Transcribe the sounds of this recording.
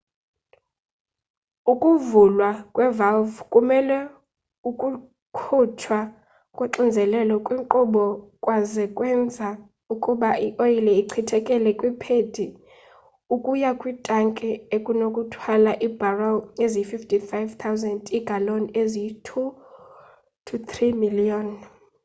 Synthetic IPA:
ukʼuvulwakʼwɛvalvkʼumɛlɛ | ukʼu | kʰutʰwa | kʼweǁind͡zʱɛlɛlɔkʼwiŋǃuɓɔkʼwazɛkʼwɛnd͡zʱa | ukʼuɓaʔiʔojilɛiǀʰitʰɛkʼɛlɛkʼwipʰedʰʱi | ukʼujakʼwitʼaŋkʼɛekʼunokʼutʰwalaʔib̥araezififtʰʼifajvt̪ʰawzɛndiɡ̥ʱalonezitʰu | tʰut̪ʰrimiliɔn

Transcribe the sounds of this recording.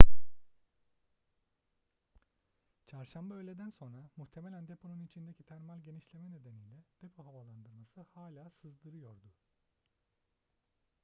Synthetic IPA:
t͡ʃʰaɾʃambaølʲed̪ænso̞nɾamuçt̪ʰe̞melʲænd̪epʰonunit͡ʃʰind̪ecʰit̪ʰæɾmalʲɟe̞niʃlʲe̞mɛne̞d̪enijlʲɛd̪̥epʰo̞ɦavalˠand̪ɯɾmasɯhaːlʲaːsɯzd̪ɯɾɯjo̞ɾd̪u

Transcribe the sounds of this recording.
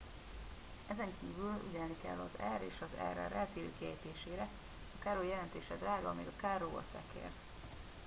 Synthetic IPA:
ɛzɛŋkiːvylṵɟɛlnikɛ̰lːɒzɛɾḛːʃɒzɛ̰ɾɛ̰rɛlt̪eːlø̰ːkiɦɛ̰jt̪eːʃeːɾɛ | ɒkaːɾoːjɛlɛnt̪eːʃɛd̪raːɡɒɒmiːɡɒkaːɾoːo̰sɛ̰kḛːr

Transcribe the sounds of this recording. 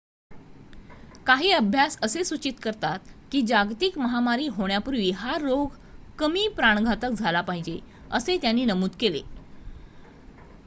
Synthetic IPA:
kaɦiːəbʱjasəsesut͡ɕit̪kəɾt̪at̪̚kiːd͡ʑaɡt̪ikməɦamaɾiːɦoɳjapuɾʋiːɦaɾːoɡ | kəmiːpɾaɳ̃ɡʱat̪ək̚d͡zʱalapaɦid͡ʑe | ə̰set̪janːiːnəmuːt̪kele

